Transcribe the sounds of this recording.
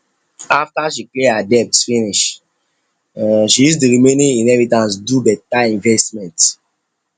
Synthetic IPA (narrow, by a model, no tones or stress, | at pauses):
aftaʃiplehadɛpsfĩniʃ | ʃijus̬tuɹimẽnĩĩnhɛvitãns̬dubɛtaĩɱvɛstmɛ̃nt